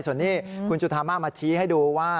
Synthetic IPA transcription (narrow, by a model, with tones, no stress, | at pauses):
su˨˩˦nːiː˦˥˩kʰu˧nsu˨˩t̪ʰːaː˧nmaː˥˩maː˧t͡ɕʰiː˦˥ɦa˥˩jduː˧waː˥˩